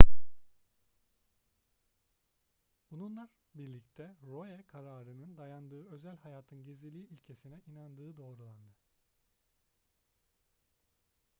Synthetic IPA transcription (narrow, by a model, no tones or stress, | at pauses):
bununlˠaɾ | biɾlʲict̪ʰɛɾojɛkʰaɾaːɾɯnɯnd̪ajand̪ɯːø̞zælʲhajaːt̪ʰɯnɟezilʲiːilʲcʰe̞sinɛʔinand̪ɯːd̪o̞ːɾulˠand̪ɯ